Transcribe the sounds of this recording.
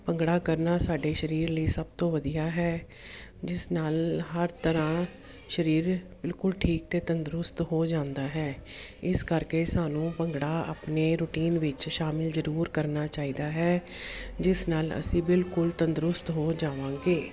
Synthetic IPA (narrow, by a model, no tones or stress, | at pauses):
pəŋɡɽaːkəɾnaːsaːɖeːʃəɾiːɾliːsəb̚t̪õːʋəd̪ijaːɦɛː | d͡ʒɪsnaːlɦəɾt̪əɾãː | ʃəɾiːɾbɪlkʊlʈʰiːk̚t̪eːt̪ənd̪ɾʊst̪ɦoːd͡ʒãːnd̪aːɦɛːɪskəɾkeːsaːnũːpəŋɡɽaːa̰ːpneːɾʊːʈiːnʋɪt͡ʃʃaːmɪlzəɾuːɾkəɾnaːt͡ʃaːiːd̪aːɦɛː | d͡ʒɪsnaːlə̰sĩːbɪlkʊlt̪ənd̪ɾʊst̪ɦoːd͡ʒaːʋãːɡeː